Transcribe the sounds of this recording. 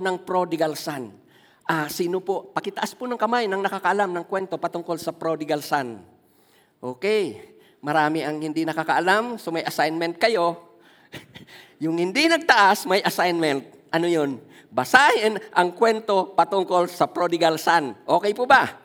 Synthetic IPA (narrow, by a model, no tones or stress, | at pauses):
nɐŋpɾod̪ɪɡalsan | ʔasiːnopopɐkɪt̪ɐʔaspʊnɐŋkɐmajnɐŋnɐkakɐʔɐlamnɐŋkwɛnt̪opɐt̪ʊŋkolsɐpɾod̪ɪɡalsan | ʔoːkɛj | mɐɾaːmɪʔɐŋhɪnd̪ɪnɐkakɐʔalamsomɐjʔɐsajnmɛnt̪̚kɐjo̞ | jʊŋhɪnd̪ɪnɐɡ̚t̪ɐʔasmɐjʔɐsajnmɛnt̪̚ʔɐnojon | bɐsaːhɪnʔɐŋkwɛnt̪o̞pɐt̪ʊŋkolsɐpɾod̪ɪɡalsanʔo̞ːkɛjpoba